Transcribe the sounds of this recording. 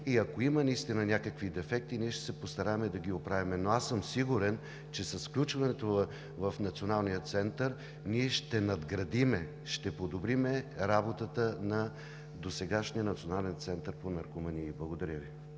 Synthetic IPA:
iɐkoimənɐist̪inɐnʲakəkvid̪ɛfɛk̚t̪iniɛʃt̪ɛ̥sɛpost̪ɐɾavɐmɛd̪ɐɡiopɾavimɛnoasəmsiɡuɾɛn | t͡ʃɛsɐsklʲut͡ʃvɐnɛt̪o | vɐfnɐt̪sionalˠnijət̪sɛnt̪əɾ | niɛʃt̪ɛnɐd̪ɡɾɐd̪imɛ | ʃt̪ɛpod̪obɾimɛɾabot̪ət̪ənɐ | d̪osɛɡaʃnijənɐt̪sionalɛnt̪sɛnt̪əɾponɐɾkomɐniːblˠɐɡod̪ɐɾʲəvi

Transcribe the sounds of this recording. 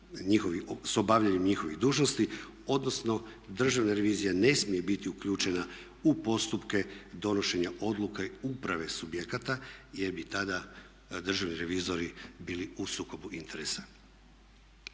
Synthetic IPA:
ɲixo̞ʋisobaːʋʎaɲemɲixo̞ʋiɣd̪uːʒno̞st̪i | o̞d̪no̞sno̞d̪r̩ʒaʋnaɾe̞ʋiːzijane̞smije̞bit̪iukʎuːt͡ʃe̞na | upo̞st̪upke̞d̪o̞no̞ʃe̞ɲaʔo̞d̪lˠukaupɾaʋe̞subjekat̪ajeɾbit̪ad̪a | d̪r̩ʒaʋniɾe̞ʋiːzo̞ɾibiːliusuːko̞buʔint̪ʰe̞ɾesḁ

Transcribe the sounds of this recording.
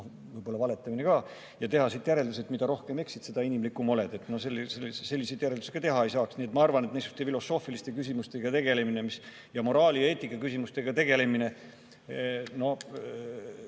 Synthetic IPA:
o | vɯjb̥o̞lːɑvɑle̞t̪ːˑɑmine̞kɑː | jɑt̪e̞hɑsit̪ˑjæɾe̞ld̪uset̪mid̪ɑɾo̞hkeme̞ksit̪se̞d̪ɑinimlikːˑumo̞le̞d̪e̞t̪ːˑno̞selːselse̞lːise̞jd̪jæɾeld̪u̥se̥kɑt̪e̞ɦɑe̞jsɑːksniːet̪ːˑmɑɑrvɑnet̪nesu̥st̪efilo̞sːo̞ːfilist̪e̞kysʲimust̪e̞ɡ̥ɑt̪e̞ɡ̥e̞le̞mine̞mis | jɑmo̞ɾɑːlijɑe̞ːt̪ːˑikːˑɑkysʲimust̪e̞ɡ̥ɑt̪e̞ɡ̥e̞le̞mine̞ | no̞

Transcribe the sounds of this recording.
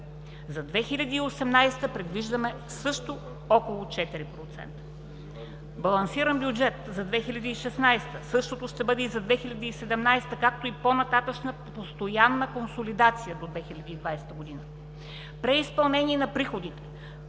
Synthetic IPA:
zɐd̪vɛxilʲɐd̪iːosɛmnajsɛ̥t̪əpɾɛd̪viʒd̪əmɛ | sɤʃt̪o | ɔkolˠʊt͡ʃɛt̪iɾipɾot̪sɛ̰nt̪ə̥ | bɐlˠɐnsiɾənbjʊd͡ʒɛt̪zɐd̪vɛxilʲɐd̪əiʃɛsnajst̪əsɤʃt̪ot̪oʃt̪ɛbɤd̪ɛizɐd̪vɛxilʲɐd̪əisɛd̪ɛmnajst̪əkak̚t̪oiponɐt̪at̪əʃnə | post̪ojanːəkonsolid̪at̪sijəd̪od̪vɛxilʲɐd̪iid̪vajsɛ̥t̪əɡod̪inə | pɾɛispɐlˠnɛnʲiɛnɐpɾixod̪it̪ɛ̥

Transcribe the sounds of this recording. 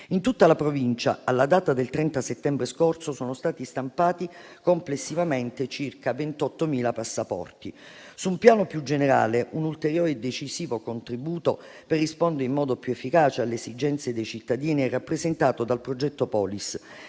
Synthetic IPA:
int̪ut̪ːalapɾovint͡ʃaalːad̪aːt̪ad̪elt̪ɾɛnt̪aset̪ːɛmbɾeskorsosoːnost̪aːt̪ist̪ampaːt̪i | komplesːivament̪et͡ʃirkavent̪ɔt̪ːomiːlapasːapɔ̰rt̪i | suumpjaːnopjud͡ʒeneɾa̰ːleʔunult̪eɾjoːɾed̪et͡ʃiziːvokont̪ɾibuːt̪o | perːispond̪eɾeimːɔːd̪opjuefːikaːt͡ʃealːeːszid͡ʒɛnt̪sed̪ejt͡ʃit̪ːad̪iːniɛrapːɾezent̪aːt̪od̪alpɾod͡ʒɛt̪ːopɔːlis

